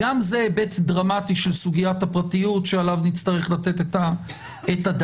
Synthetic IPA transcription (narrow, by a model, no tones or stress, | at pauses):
amzebetdʁamatiʃelsuɡijathapʁatijutʃealavnit͡st̪aʁeχlat̪e̞teta | etad